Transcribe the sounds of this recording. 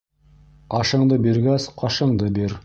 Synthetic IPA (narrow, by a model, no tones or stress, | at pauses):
qɑʃɤ̆ɴd̪ɤbiɾɡæsqʰɑʃɤ̆ɴd̪ɤbiɾ